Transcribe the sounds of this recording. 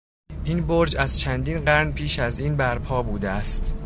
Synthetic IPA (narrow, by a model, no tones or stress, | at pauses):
ʔiːnboɾd͡ʒæz̥t͡ʃʰænd̪iːnɢæɾnpʰiːʃæziːnbæɾpʰɒːbuːd̪eæst̪